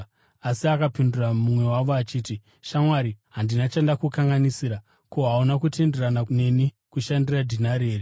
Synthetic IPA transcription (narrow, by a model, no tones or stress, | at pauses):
asiakapinduramumwe̞waʋoat͡ʃiːti | ʃamwaɾiɦandinat͡ʃendakukaŋɡanisiːɾa | ko̞ɦaunakute̞nderanane̞ni | kuʃandiradʱinaɾeːri